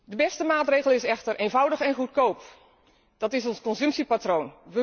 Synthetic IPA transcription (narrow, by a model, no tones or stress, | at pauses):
dəbɛstəmaːtreːɣəl̩ˠɪsɛxtərʔeːnvʌwdəxɛnχutkowp | d̥ɑtɪsɔnskɔnsɵmpsipatrownʋə